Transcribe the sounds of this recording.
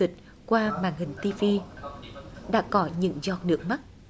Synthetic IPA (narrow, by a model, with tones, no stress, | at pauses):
i˨˩k̚ | kwaː˧maː˨˩ŋhï˨˩ŋ̟t̪i˧vi˧ | ɗa̰ː˧˥kɔ˨˦ɲɨ̰˧˥ŋzɔ˨˩t̚nɨ˨˦˥ək̚ma˦˥t̚